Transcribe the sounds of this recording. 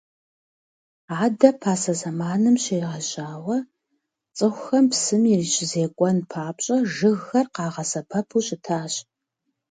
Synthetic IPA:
aːdɐpʰaːsɐzɐmaːnɨmɕeːʁɐɕʼaːwɐ | t͡sʼɨxʷxɐmpsɨmirit͡ʃʰɪzeːkʷʼɔnpʰaːpɕʼɐʒɨɣːɐrqɑːʁɐsɐpʰɐpʰuːɕʼɪtʰaːɕ

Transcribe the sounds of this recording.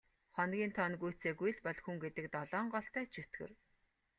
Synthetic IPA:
χɔnɡʲiːnt̪ʰɔnɡujʰt͡seːɡuj̆ɮpɔɮxuŋɡet̪ɘ̆k̚t̪ɔɮɔːɴɢɔɬt̪æːt͡ɕʰɵt̪ɡɘ̰̆r

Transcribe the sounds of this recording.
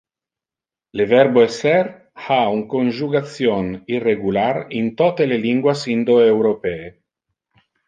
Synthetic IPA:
levɛɾboesɛr | hauŋkonʒuɡat̪sjonirːeɡularint̪ot̪eleliŋɡwasind̪oewɾopɛe

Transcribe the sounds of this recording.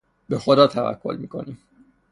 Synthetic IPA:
bexo̞d̪ɒːt̪ʰævæ̰kʰːo̞̰lmiːkʰo̞̰niːm

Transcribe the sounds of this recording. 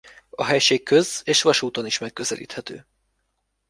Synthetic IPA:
ɒɦɛjʃeːkʰːøzeːʃʋɒʃuːt̪oniʃmɛkːø̞zɛlʔḭːt̪hɛt̪ø̰ː

